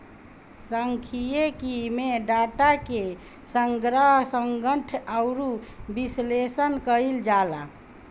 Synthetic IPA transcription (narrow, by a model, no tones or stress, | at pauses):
səŋkʰijekimeɖaʈake | səŋɡɾaɦsəŋɡəʈʰawɾubislesənkəild͡ʒala̰